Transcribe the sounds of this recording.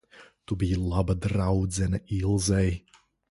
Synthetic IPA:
tubijlˠabədrawzɛnəʔilˠzej

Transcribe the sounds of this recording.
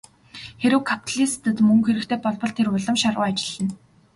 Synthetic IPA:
xeɾɘ̆wkʰapʰt̪ʰaɮist̪ɘ̆t̪mɵŋxeɾɘ̆kt̪ʰeːpɔɮpɞ̆ɮt̪ʰeɾʊɮə̆mʃarʁʊːat͡ɕɪ̥̆ɮɘ̆n

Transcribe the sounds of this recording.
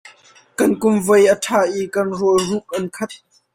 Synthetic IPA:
kɐnkʊmvɐjʔətʰaːʔikɐnruəruʔ̚ʔɐnkʰɐt̪̚

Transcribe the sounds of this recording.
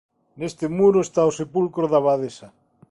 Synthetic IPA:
nest̪emuɾoest̪aosepulkɾoðaβaðesa

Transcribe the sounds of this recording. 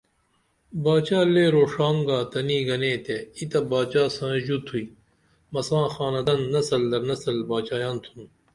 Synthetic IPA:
baːt͡ɕaːleːɾoːʂaːŋɡaːt̪ɐniːɡɐneːt̪eit̪ɐbaːt͡ɕaːsãːʑut̪ʰui | mɐsãːxaːnɐd̪ɐnːɐsɐld̪ɐɾnɐsɐlbaːt͡ɕaːjãːnt̪ʰun

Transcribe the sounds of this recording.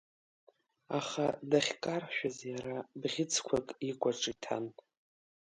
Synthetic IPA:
aχadaχʲkʼarħʃᶣazjaɾabʁʲɪt͡sʰkʷʰakʼikʷʼaʈ͡ʂʼitʰa̰n

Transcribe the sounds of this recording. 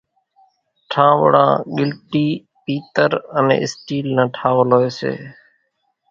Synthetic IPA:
ʈʰãːʋə̰ɽã̰ːɠɪlʈiː | piːt̪əɾənḛ̃ːʔɪsʈiːlnãːʈʰaːʋəlɦoːeːsḛː

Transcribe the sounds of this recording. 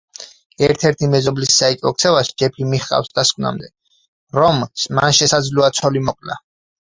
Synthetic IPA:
ɛɾt̪ʰɛɾt̪ʰimɛzɔblisːait͡ʃ̪ʼɔk̚t̪sʰɛvaʃi̥d͡ʒɛpʰimiχqʼa̰fsd̪askʼwna̰md̪ɛ | ɾɔmsmanʃɛsad̪zluat̪sʰɔlimɔkʼla

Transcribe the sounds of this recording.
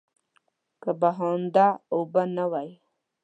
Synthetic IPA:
kəbaɦond̪aobanawaj

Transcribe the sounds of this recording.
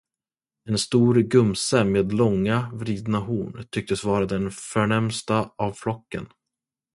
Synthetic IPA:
ɛnst̪uːɾɡɵmsameːd̪lɔŋːavɾiːd̪nahuːɳt̪ʰʏk̚t̪əsvɑːɾad̪ɛnfœɳɛmst̪aavflɔkːə̰n

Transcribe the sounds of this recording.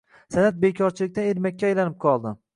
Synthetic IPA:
sanat̪̚bekʲʰɒɾt͡ʃʰɪlɪk̚ʲt̪aneɾmakʲːaajlanɪp̚qʰɒlˠd̪ɪ

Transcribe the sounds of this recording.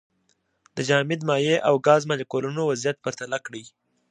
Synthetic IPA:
d̪̥əd͡ʒɑmɪd̪mɑjeʔawɡɑzmaləkolunowazijat̪̚paɾt̪alakɽi

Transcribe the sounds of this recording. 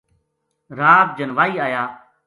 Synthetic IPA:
ɾaːb̚d͡ʒənʋaːiːaːjaː

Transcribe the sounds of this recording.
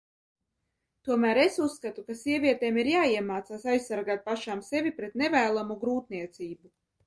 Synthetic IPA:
t̪uɔmæːɾesusːkat̪ukasiɛvʲiɛt̪ɛːmiɾjaːiɛmaːt̪saːsajsːaɾɡaːt̪̚paʃaːmsevʲipɾet̪nɛvæːlˠamuɡɾuːt̪niɛt̪siːbu

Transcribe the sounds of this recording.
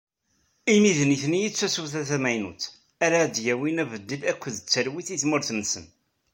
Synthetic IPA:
imiðniθnijit͡sːæsuθæθæmæjnṵt͡s | æɾad̪jæwinævəd̪ːilækʷːəðət͡sːəɾwiθiθmʊɾθənːsən

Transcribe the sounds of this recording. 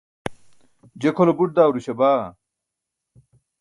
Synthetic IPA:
d͡ʑekʰolobuʈ̚d̪aːwɾuɕɐbaː

